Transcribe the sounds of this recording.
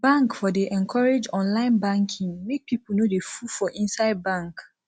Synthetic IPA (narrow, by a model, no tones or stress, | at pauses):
bãŋkfɔdeʔɛ̃nkʰɔɹed͡ʒɔ̃nlãɪ̃nbãŋkʰĩŋmek̚pʰip̩nodefufɔʔĩnsaɪd̚bãŋk